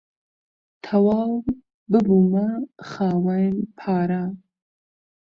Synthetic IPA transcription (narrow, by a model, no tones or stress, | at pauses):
t̪ʰɐwɑːw | bɨbuːmɐχɑːwajnpʰɑːɾa